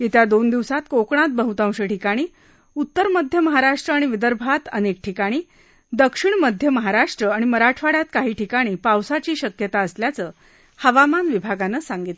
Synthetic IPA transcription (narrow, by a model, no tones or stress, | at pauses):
jet̪jad̪ond̪iʋsat̪kokɳ̃at̪̚bəɦut̪ãw̃ɕeʈikaɽ̃iː | ut̪ːəɾməd̪ʱjəməɦaɾaʂʈɾəaɽ̃iʋid̪əɾbʱat̪ənek̚ʈʰikaɽ̃iː | d̪əkʂiɳməd̪ʱjəməɦaɾaʂʈɾəaɽ̃iməɾaʈʰʋaɽjat̪kaɦiːʈʰikaɽ̃iːpawsat͡ɕiːɕəkjət̪aəsljat͡səː | həʋamanʋibʱaɡanəːsaŋɡit̪